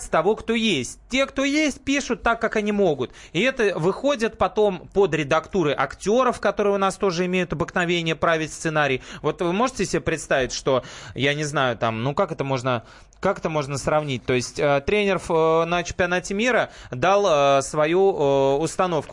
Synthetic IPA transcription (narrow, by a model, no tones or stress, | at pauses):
sʲt̪ɐvo̞kt̪o̞jesʲt̚ʲtʲːe̞kt̪o̞jesʲt̚ʲpʲiʂʊt̪ːakːakɐnʲimo̞ɡʊt̪ɪɛt̪əvɨxo̞dʲɪt̪̚pɐt̪o̞mpo̞d̪ɾʲɪd̪ɐkt̪uɾɨʔɐktʲo̞ɾəfkɐt̪o̞ɾɨjʊnast̪o̞ʐɨɪmʲejʊt̪ɐbɨknɐvʲenʲɪjəpɾavʲɪtʲst̪sɨnaɾʲɪjvo̞t̪vɨmo̞ʐɨtʲɪsʲɪbʲepɾʲɪt̪st̪avʲɪtʲʂt̪o̞janʲɪznajʊt̪amnukakɛt̪əmo̞ʐnə | kakɛt̪əmo̞ʐnəsɾɐvnʲit̚ʲt̪o̞ɪsʲtʲət̪ɾʲenʲɪrəfənət͡ɕɪmpʲɪɐnatʲɪmʲiɾəd̪alˠəsvɐjuəʊst̪ɐno̞fkʊ̥